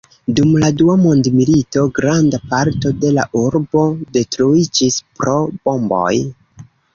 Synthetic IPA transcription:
dumladuamondmilito̞ɡɾandapaɾto̞de̞la̰ʔuɾbo̞de̞tɾuid͡ʒispɾo̞bo̞mbo̞̰j

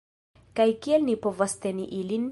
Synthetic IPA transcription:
kajkielnipo̞vast̪e̞niʔilin

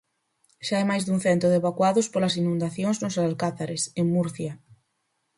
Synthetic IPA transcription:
ʃaajmajzðuŋθɛnt̪ʊðeβakwaðʊspolɐsinũnd̪aθjoŋznʊsaalkaθaɾeseŋmuɾθja

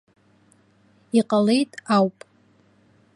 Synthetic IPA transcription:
iqʼale̞jtʼawpʼ

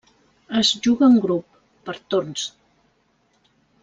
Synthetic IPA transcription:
əzʒuɣəːŋɡɾupː | əɾt̪orns

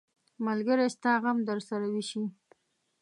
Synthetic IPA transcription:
malɡəɾest̪ɑɣamd̪əɾsaɾawiʃi

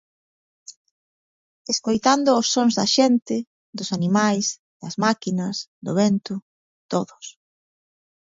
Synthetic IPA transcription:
eskojt̪and̪ʊːsːoŋzðɐʃɛnt̪ɪ | d̪ʊsanimajs | ðɐzmakinɐsd̪ʊ̰βɛnt̪ʊ | t̪oðʊs

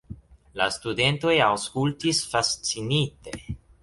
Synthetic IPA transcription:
la̰stude̞nto̞jawskultisfast͡sinite̞

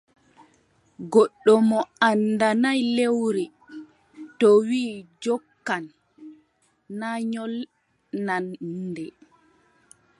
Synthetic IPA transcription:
ɡɔɗːɔmɔandanajlewɾi | tɔwiːd͡ʒɔkːan | aɲɔl | nandɛ

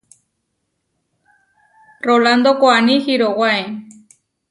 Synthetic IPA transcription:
roland̪okoanixiɾoɣwae

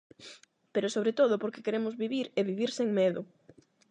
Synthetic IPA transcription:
peɾʊsoβɾet̪oðʊpoɾkekeɾemʊzβiβiɾeβiβiɾseŋmeðʊ

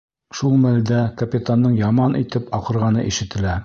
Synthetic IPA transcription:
ʃulˠmæld̪ækɐpʲit̪anːɤɴjɑmɑnʔit̪ɘpɒqɤ̆ɾʁɑnɤ̰ʔiʃɘ̆t̪ɘ̆læ

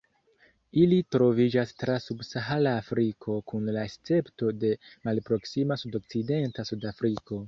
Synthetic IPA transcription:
ilitɾo̞vid͡ʒastɾasubsaɦalaːfɾikʰo̞kunlaest͡se̞pto̞de̞malpɾo̞ksimasudo̞k̚t͡side̞ntasudafɾiko̞

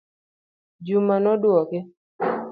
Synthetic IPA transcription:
d͡ʒumanɔdwɔkɪ

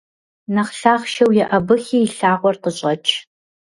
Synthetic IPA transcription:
nɐχɬaːχʃɐwjɛʔɐbɨxiːɬaːʁʷɔrqəɕʼɐt͡ʃʰ

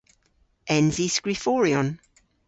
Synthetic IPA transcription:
ʔɛ̃nzisɡ̥ɹifɔːɹiɔ̃n

